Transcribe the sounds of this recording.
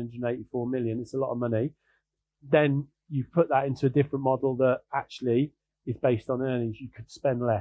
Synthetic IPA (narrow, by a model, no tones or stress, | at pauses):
nd͡ʒɹədⁿneɪtifɔːmɪljə̃nɪtsəlɒ̰təmʌni | ðə̃n | jəpʰʊʔðətɪ̃ntuədɪfɹə̃nmɒdˡl̩ˠðətak̚t͡ʃuəl̩ˠi | ɪzbeɪstn̩iɛnɪ̃d͡ʒjəkʰəd̥spɛ̃nlɛ